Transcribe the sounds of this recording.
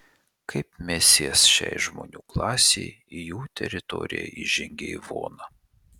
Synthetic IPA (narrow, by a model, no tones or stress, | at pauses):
kʰɐɪpmʲɛsʲeːsʃʲɛ̰ɪʒmo̰ːnʲuːklˠɑːsʲḛɪɪjuːt̪ʲɛ̰ɾʲɪt̪ɔ̰ːɾʲɪ̰jɛ̰iʒʲɪŋʲɡʲɛʋo̰ːnɐ